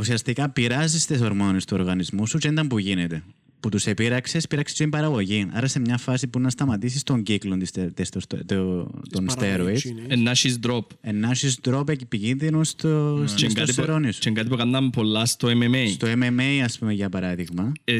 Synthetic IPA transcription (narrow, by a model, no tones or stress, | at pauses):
usiɐst̪ikɐpiɾɐsist̪es̬oɾmonest̪uoɾɣɐnizmusut͡ʃend̪ɐmpuʝinet̪e̞ | put̪usepiɾɐksespiɾɐksest̪imbɐɾɐɣo̞ʝinɐ̰ɾɐse̞mɲɐfɐsipunɐst̪ɐmɐt̪isist̪o̞ɲɟiklont̪ist̪esost̪ot̪onst̪eɾoit̪enːɐʃizd̪ɾopenːɐʃizd̪ɾopecipicinðinost̪ot͡ʃeɡɐt̪ieɾonist͡ʃeŋɡɐt̪̬ipukɐnd̪ɐmpo̞lːɐst̪oememejst̪oememejɐspumeʝɐpɐɾɐðiɣmɐ